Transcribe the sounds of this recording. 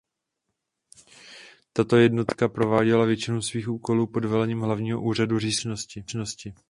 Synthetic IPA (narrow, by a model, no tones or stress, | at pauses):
t̪at̪o̞jɛdno̞t̪kapɾo̞vaːɟɛlavjɛt͡ʃɪnowsviːxʔuːko̞luːpo̞dvɛlɛɲiːmɦlavɲiːɦo̞ʔuːr̝aduriːsno̞scɪno̞scɪ